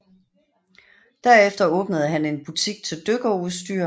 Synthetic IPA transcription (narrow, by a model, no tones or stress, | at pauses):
d̥æɐ̰efd̥ɐɔ̽ːb̥nəð̞̩ˠɦæne̝nb̥ut͡sʰiɡ̥̚t͡sʰe̝ld̥øɡ̥ɐuðˠsd̥y̰ːɐ̰